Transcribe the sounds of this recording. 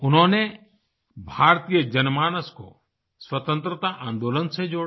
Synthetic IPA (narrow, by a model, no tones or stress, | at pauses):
ʊnɦõːne | bʱaːɾt̪iːjəd͡ʒənmaːɽ̃əsko̰ | swət̪ə̃nt̪ɾət̪aʔãːnd̪oːlənsed͡ʒoːɽ